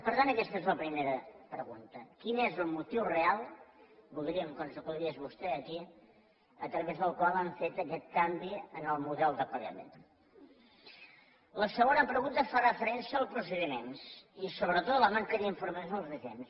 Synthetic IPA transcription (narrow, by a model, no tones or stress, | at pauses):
pəɾt̪anəkɛst̪əezləpɾimeɾəpɾəɣunt̪əkinezəlˠmut̪iwrealˠbulˠd̪ɾiəmkənzəkulezβust̪ɛəki | ət̪ɾəβezðəlˠkwalˠaɱfet̪əkɛt̪̚kambiənəlˠmuðɛlˠd̪əkwala̰mḛ | ləsəɣonəpɾəɣunt̪əfarəfəɾɛnsəːlˠpɾus̬əðimensisoβɾət̪ot̪ləmaŋkəðiɱfuɾməjonəlˠzðizḛns